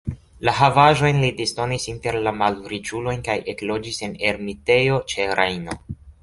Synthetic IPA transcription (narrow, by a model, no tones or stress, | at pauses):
laɦavaʒo̞jnlidisto̞nisinte̞ɾlamalɾit͡ʃulo̞jnkajʔeklo̞d͡ʒise̞ne̞ɾmite̞jo̞t͡ʃe̞ɾajno̞